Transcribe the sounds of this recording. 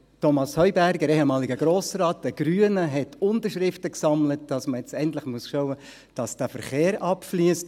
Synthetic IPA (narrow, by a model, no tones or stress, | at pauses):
tɔmɑshœʏbæɾɡəɾehɛmɑːlɪɡəɡ̥ɾoːsrɑːt̚d̥əɡ̥ɾyːənəɦɛtʰʊntəɾʃɾɪftəksɑmlətd̥ɑsməjɛt͡sɛntlɪχmuəsʃɔʊə | d̥ɑsd̥æfəɾχeːɾɑpfliəst